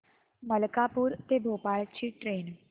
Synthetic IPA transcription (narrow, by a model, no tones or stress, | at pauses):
məlkapuːɾt̪ebʱoːpaɭt͡ɕʰiːʈɾeːn